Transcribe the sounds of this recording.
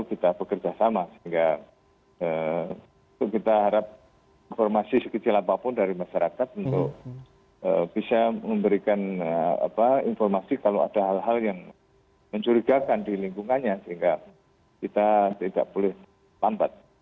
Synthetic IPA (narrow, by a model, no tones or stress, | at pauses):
kit̪ab̥əkərd͡ʒasamasəɦiŋɡa | ə | ut̪ʊkkit̪aɦaɾap̚ | infɔrmasisəkət͡ʃilapapʊndaɾimaʃaɾakat̪̚unt̪ʊk̚ | ə̰b̥isaməmbəɾikanaa̰painfɔrmasikaloa̰daɦalɦaljaŋ | məɲt͡ʃuɾiɡakandiliŋkuŋanɲasəɦiŋɡa | kit̪at̪ida̰ʔb̥olɪh | t̪amp̪at̪̚